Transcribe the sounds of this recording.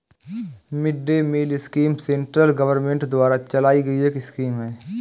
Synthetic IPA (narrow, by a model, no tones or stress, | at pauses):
mɪɖːemiːlɪskiːmsẽːɳʈɾəlɡɐʋəɾmẽɳʈd̪ʊwaːɾat͡ʃɐlaːiɡɐieːkiskiːmɦɛ̃ː